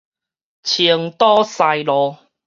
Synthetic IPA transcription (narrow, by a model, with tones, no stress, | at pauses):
t͡ɕʰi˧əŋt̪ɔ˦sa˧jlɔ˨˦